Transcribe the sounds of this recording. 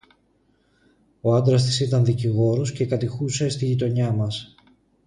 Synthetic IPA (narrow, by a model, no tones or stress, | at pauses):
o̞ɐnd̪ɾɐst̪i̥sit̪ɐnðiciɣo̞ɾo̞sce̞kɐt̪ixuse̞st̪iʝit̪o̞ɲɐmɐs